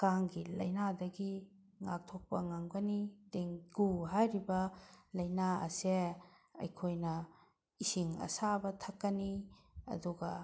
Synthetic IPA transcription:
kaŋɡilɐ̰jnadɐɡi | ŋak̚tʰok̚pɐ̰ŋaŋɡɐnideŋɡuɦajɾibɐlɐjnaɐ̰se | ɐ̰jkʰojnɐ | isiŋɐ̰sabɐtʰɐkːɐniɐ̰duɡɐ

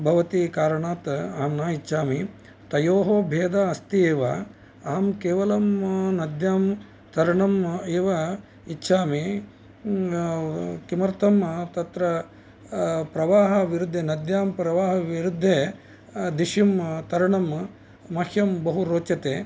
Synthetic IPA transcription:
bʱɐʋɐt̪ikaːɾɐɳaːt̪aːmnaːit͡ʃːʃʰaːmi | t̪ɐjoːɦoːbʱeːd̪aɐst̪ieːʋɐ | aːmkeːʋɐlɐmnɐd̪ʱjaːm | t̪ɐɾɐɳɐmeːʋɐ | itːʃʰaːmi | kimɐɾt̪ɐmt̪ɐt̪ɾɐ | pɾɐʋaːɦɐʋiɾud̪ʱːeːnɐd̪jaːmpɾɐʋaːɦɐʋiɾud̪ʱːeː | d̪iʃimt̪ɐɾɐɳɐm | mɐhʰjɐmbɐɦuɾoːt͡ʃɐt̪eː

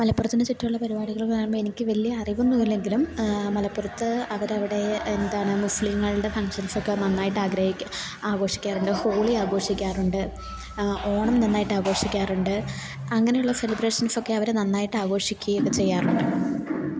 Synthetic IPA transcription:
mɐlɐpːurɐt̪ːinet͡ɕitːɐjuɭːɐpɐɾibaːɽiɣɐɭokːenːɐmboenikʲːɨʋɐlijɐːriʋonːuðilːe̞ŋɡilummɐlɐpːurɐt̪ːɨɐʋɐɾɐʋiɽe̞ːnd̪aːɳɨmusliŋːɐɭiɭɽe̞fɐŋkʂɐnsokːenɐnːaːjiʈːaːɡɾɐhikʲː | aːɡo̞ːʂi̥kʲːaːruɳɖɨho̞ːɭiaːɡo̞ːʂikʲːaːruɳɖɨ | o̞ːɳɐmnɐnːaːjiʈːaːɡo̞ːʂikʲːaːruɳɖɨ | ɐŋːɐnejuɭːɐfelibɾeːʂɐnfokːe̞ɐʋɐɾenɐnːaːjiʈːɨaːɡo̞ːʂikʲːuokːet͡ɕe̞jːaːruɳɖɨ

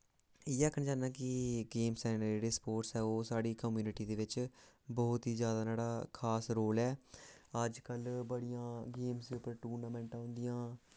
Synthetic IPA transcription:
ɪːəkʰənd͡ʒaːnãːkɪɡeːmsɛːnəɾd͡ʒeːɽeːspoːʈsɛːoːsaːɽiːkəmjuːnɪʈiːd̪eːʋɪt͡ʃbɔːt̪ɦiːzjaːd̪aːnaːɽaːkʰaːsɾoːlɛːəd͡ʒkəlbəɽɪjãːɡeːmsd̪eːʊpːəɾʈuːɾnaːmɛ̃ːɳʈãːʊ̃nd̪ɪjãː

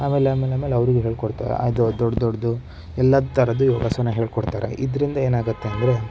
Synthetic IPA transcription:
aːmeːleaːmeːlaːmeleɐʋɐɾiɡeɦe̞ːɭkoɽt̪a̰ːɾḛa̰ːjd̪ud̪ɔɽd̪ɔɽd̪u | ɛlːɐd̪t̪ʰɐɾɐd̪ujoːɡasɐnːɐɦe̞ːɭkɔɽt̪aːɾḛʔid̪ɐɾind̪ɐeːnaːɡut̪ːe̞ɐnd̪ɐɾe̞

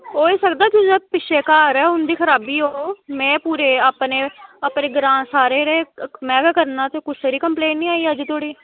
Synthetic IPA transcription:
ɦoːiːsəkd̪aːkʊ̃d͡ʒəpɪʃeːkaːɾɛːʊnd̪iːkʰəɾaːbiːɦoːmɛ̃ːpuːɾeːaːpneːapneːɡɾãːsaːɾeːɾeːmɛːɡaːkəɾnãːt̪eːkʊsseːɾiːkəmpleːnʈnĩːaːiːəd͡ʒt̪ʰoːɽiː

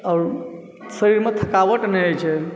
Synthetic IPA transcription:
aːɾ | səɾiɾmet̪ʰəkaʋəʈnɛt͡ʃʰɛ

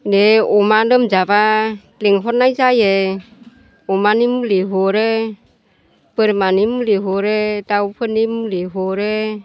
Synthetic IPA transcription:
neɔmanɯmzaba | leŋɦɔt̚najzaje | ɔmanimuleɦɔɾe | pəɾmanimleɦɔɾetawpʰɯnimuleɦɔɾe

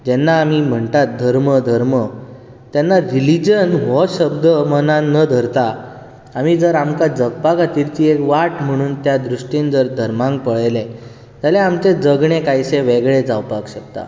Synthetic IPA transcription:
d͡ʑɛnːaːm̤im̤əɳt̪at̪̚d̪ʱəɾməd̪ʱəɾmə | t̪jɛnːaɾilid͡ʑənɦɔɕəb̚d̪əmənãnəd̪ʱəɾt̪aː | m̤id͡zəɾamkad͡zəɡpakat̪iɾt͡ɕiekʋaʈm̤əɽ̃uːnt̪jad̪ɾuʂʈind͡zəɾd̪ʱəɾmãŋɡ̚pəɭjlẽ | t̪aleamt͡sed͡zəɡɳekajsẽʋeɡɭed͡zawpakɕək̚t̪a̰

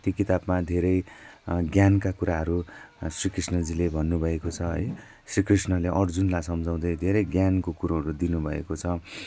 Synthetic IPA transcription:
t̪jokit̪abmad̪ʱeɾʌjɡjankakuɾaɦʌɾusrikrisnʌd͡zilebʱʌnːubʱʌekot͡sʰʌɦʌ̰j | srikrisnʌleʔʌrd͡zunlasʌmd͡zaw̃d̪ʌjd̪ʱeɾʌjɡjankokuɾõɦʌɾud̪inubʱʌḛkot͡sʰʌ

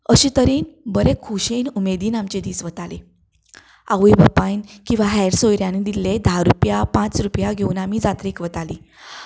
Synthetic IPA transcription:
əɕiːt̪əɾiːnbəɾekʰuɕejnumed̪iːnamt͡ɕed̪iːsʋət̪ale | aʋibəpainkĩw̃ʋaɦɛjɾsojɾjanid̪ilːed̪ʱaɾupjapãt͡sɾupjaɡʱeunamiːd͡zat̪ɾiːkʋət̪alḭː

